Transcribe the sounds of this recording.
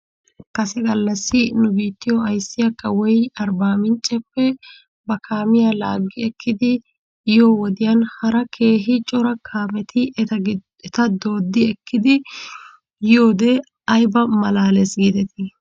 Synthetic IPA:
kɐsɛɡɐlːɐsːɪnʊbiːt̪ːɪjɔɐjsːɪjɐkːɐwɔjɐɾbaːmɪnt͡ʃʼːɛpːɛ | bɐkʰaːmɪjala̰ːɡːɪɛkʰːɪd̪ɪ | ɪjoːwɔd̪ɪjɐnhɐɾɐkʰe̞ːɦɪt͡ʃʼɔɾɐkʰaːmɛt̪ɪ | ɛt̪ɐd̪o̞ːd̪ːɪɛkːɪd̪ɪ | jɪjoːd̪ɛ | ɐjbɐmɐlaːlɛsɡid̪ɛt̪ɪ

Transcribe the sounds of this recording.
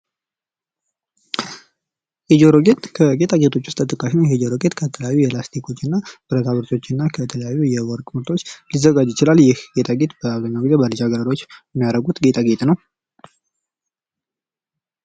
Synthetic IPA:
hed͡ʒoɾoɡet̪kʰəɡet̪ʰʼaɡet̪ʰo̞t͡ʃːwʊst̪ʰʼːət̪ʼɨkʼaʃinajɛd͡ʒoɾo̞ɡet̪kʰət̪ʰələjajːujɛlast̪ʰikʰo̞t͡ʃːɨnːab̥ɨɾət̪ʰaβɨɾt̪ʰo̞t͡ʃːɨnːakʰət̪ʰələjajːujɛwɔɾkʼmɨɾt̪ʰo̞t͡ʃːlizəɡad͡ʒjɪt͡ʃɪlaljɪhɡ̥et̪ʰʼaɡet̪bəaβzəɲːaɡizebəlɨd͡ʒaɡəɾəɾo̞t͡ʃːjɛmːijaɾəɡut̪ɡet̪ʰʼaɡet̪nəw

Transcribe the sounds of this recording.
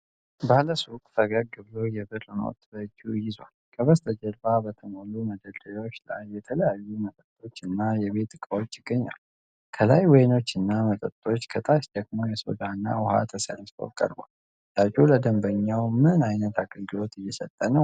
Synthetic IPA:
bahləsukʼt̪ʰəɡəɡɨβlo̞jɛbɨɾɨno̰t̪bəd͡ʒujɪzwalkʼəβəst̪ʰəd͡ʒəlbabət̪ʰəmoluməd̪əd̪əjo̞t͡ʃːla̰jbɛt̪ʰələjajːumət̪ʼət̪ʼo̞t͡ʃːɨnːajɛβe̞t̪ɨkʼəwo̞t͡ʃːjɪɡːəɲːa̰l | kʰəlajwɔjno̞t͡ʃːɨnːamət̪ʼətt̪ʼo̞t͡ʃːkʰət̪ʼaʃd̪əɡmo̞jɛso̰d̪anːa̰wʊha̰t̪ʰəsə̰nsfo̰kʼə̰ɾba̰l | d̪at͡ʃʼuləd̪əmbəɲːawmɨnajnət̪aɡʼəlɡɨlo̞t̪ɪjːɛsət̪ʼːənə

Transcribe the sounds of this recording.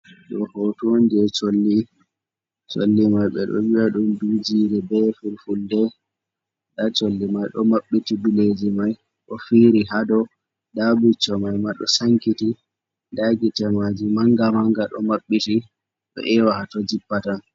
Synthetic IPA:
ɗɔhotund͡ʒɛt͡ʃolːi | t͡ʃo̰lːimajɓɛ̰ɗɔ̰wiaɗumdud͡ʒiːɾɛbɛfuɾfuldɛ | ɗat͡ʃolːimajɗɔmaɓːitibiled͡ʒimaj | ɗɔfiɾiɦadɔ | dabut͡ʃːɔmajmaɗɔsaŋkiti | daɡitɛmad͡ʒimaŋɡamaŋɡaɗɔ̰maɓːiti | ɗɔ̰ʔɛwahatɔd͡ʒipːata

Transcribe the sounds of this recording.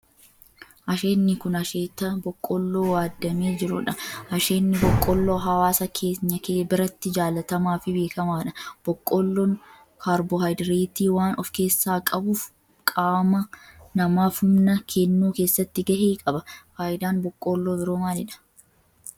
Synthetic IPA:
ʔɐʃeːnːɪkʊnɐʃeːt̪ːɐbɔkʼːɔlːoːwaːd̪ːɐmeːd͡ʒɪɾʊᶑɐɐʃe̞ːnːɪbɔkʼːɔlːoːɦɐwaːsɐkʰe̞ːɲːɐkeːbɪɾɐt̪ːɪd͡ʒaːlɐt̪ɐmaːfɪbe̞ːkɐmaːᶑɐb̥ɔkʼːɔlːɔn | kʰaːɾbɔhɐjd̪ɪɾiːt̪iːwaːnɔfke̞ːsːaːkʼɐbuːf | kʼaːmɐnɐmaːfhʊmnɐkʰɛnːuːke̞ːsːɐt̪ːɪɡɐheːkʼɐbɐfaːʔɪd̪aːnbɔkʼːoːlːoːbɪɾoːmaːlɪᶑɐ̥

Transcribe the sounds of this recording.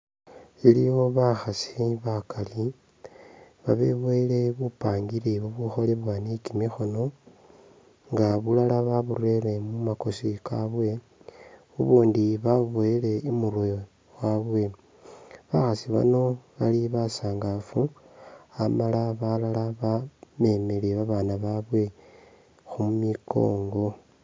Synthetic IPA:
ilijo̞βaxasiβakali | βaβeβwele̞βupaːŋɡileβuβuxo̞le̞βwanikimixo̞no̞ | ŋɡaβulalaβaβurwe̞ɾe̞mumako̞sikaβwe̞ | βuβuːndiβaβoele̞umurwojo | waβwe̞ | βaxasiβa̰no̞βaliβasaːŋɡafu | amalaβalalaβame̞meleβaβaːnaβaβwe̞ | xumumikʰo̞̰ːŋɡo̞

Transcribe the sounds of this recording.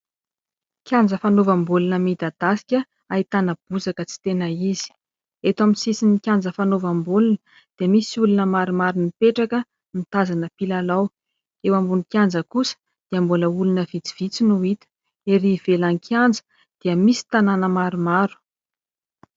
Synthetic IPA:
kʲjand͡zəfanovambulunəmid̪ad̪̥asi̥kʲə | ait̪anəb̥uzakət͡si̥t̪enaizi̥ | et̪amisisinikʲand͡zəfanovambulunə | d̪̥eəmisiulunəmaɾumaɾunipeʈ͡ʂakə | mit̪azanəpilalaw | ewambunikʲjand͡zəkusə̥ | d̪̥iəmbuləulunəv̥it͡si̥v̥it͡sinuit̪ə̥ | eɾiv̥elaŋkʰand͡zə̥ | d̪̥iəmisi̥t̪ananəmaɾumaɾu̥

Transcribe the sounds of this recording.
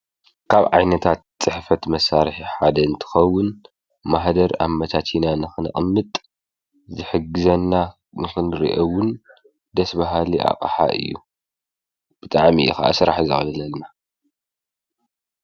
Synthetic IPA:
kʰaβʕajnɐt̪ʰat̪̚t͡sʼɨħfɐt̪mɐsaɾħiħad̪ɐɨnt̪ʰɨ̥xɐwːʊn | maħd̪ɐɾa̰mːɐt̪ʰat̪ʰinanɨxɨn̰ʔʼmːɨt̪ʼ | zɨħɨɡɨzɐnːa | nɨxɨnɾḭʔɐwʊn | d̪ɐsbaɦaliʔa̰qʼħa̰ʔɨ̰jːṵ | b̥ɨt̪ʼaʕmiʔḭxaʔa̰sɨɾa̰ħzɨ̰xʼɨlɐlɐlna

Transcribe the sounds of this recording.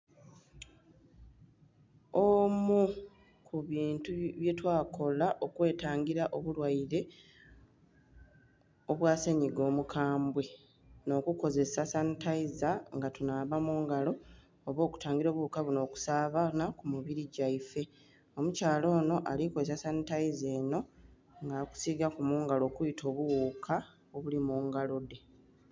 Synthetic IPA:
omu | kʰuβiːntuβje̞twaːkʰo̞laʔo̞kwe̞ːtaːŋɡiɾaʔoβulwaiɾe̞ | oβwaːseɲiɡo̞ːmukaːmbwe̞ | no̞ːkuko̞ze̞sasanitaizaŋɡatunaːβamuːŋɡalo̞ː | βo̞ːku̥taːŋɡiɾo̞ːβuukaβuno̞ːku̥saːβanakumuβiɾiɟaife̞ | o̞mucaːlo̞ːno̞ʔalikozesasanitaize̞ːno̞ | ŋɡaku̥siɡakumuːŋɡalo̞ːkujitʰo̞ːβuwukʰa | oβulimuːŋɡalo̞de̞

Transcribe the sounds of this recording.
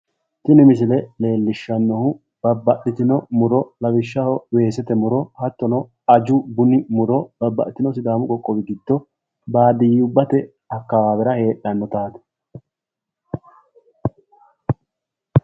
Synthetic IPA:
t̪ɪnɪmɪs̬ɪlɛle̞ːlːɪʃːɐnːɔhʊ | b̥ɐbːɐɗɪt̪ɪnɔmʊɾɔlɐwɪʃːɐhɔwe̞ːsɛt̪ɛmʊɾɔhɐt̪ːɔnɔ | ɐd͡ʒʊbʊnɪmʊɾɔb̥ɐbːɐ̰ʔɪt̪ːɪnɔsɪd̪aːmʊkʼɔkʼːɔbɪɡɪd̪ːɔ | baːd̪ɪjʊbːɐt̪ɛ | ɐkːɐwaːbɛɾɐhe̞ːɗɐnːɔt̪aːd̪ɛ̥

